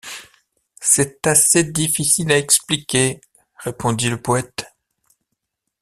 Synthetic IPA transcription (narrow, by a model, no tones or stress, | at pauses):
sɛt̪ased̪ifisilaɛksplikʲe | ʁepʰɔ̃d̪iləpɔɛt̪